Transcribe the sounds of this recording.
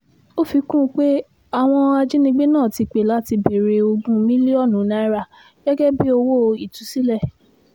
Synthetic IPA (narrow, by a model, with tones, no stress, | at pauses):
o˦fi˧˦kũ˦˧˦k͡pe˦ | a˦˨w̃ɔ̃˧a˧d͡ʒi˦nĩ˧ɡ͡be˦nãː˦˨ti˧k͡pe˨la˦ti˧be˨ɾe˨˧o˧ɡũ˦mĩ˦li˦ɔ˦˨nũ˨˦na˧˦i˦ɾa˦˨ | ɡ̥ɛ˦ɡɛ˦bi˦o˧wo˦˧i˦˨tũ˨˦si˦lɛ˦˨